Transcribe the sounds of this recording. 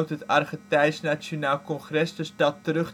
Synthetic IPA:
wtɦətarχətɛjsnat͡ʃjonaːlˠkɔnχrɛsdɵsdɑtːərɵχ

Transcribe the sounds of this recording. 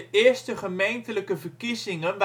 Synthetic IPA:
əʔɪːɹstəχəmejntələkəvərkizɪŋənʋ

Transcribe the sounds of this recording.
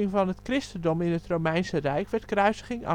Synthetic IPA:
ɪŋvɑnɦətkrɪstəndɔmɪnətrowmɛjnsərɛjkʋɛɹtkrœɥsəχɪŋɑ̰

